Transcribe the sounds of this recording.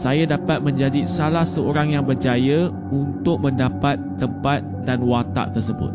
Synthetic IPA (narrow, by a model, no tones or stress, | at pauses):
sajadapat̪̚mə̃ɲd͡ʒadisalahsəoɾaŋjaŋbərd͡ʒaja | unt̪ʊk̚mə̃ndapat̪ːəmpat̪̚danwat̪a̰ʔt̪ərsəbʊ̰t̪̚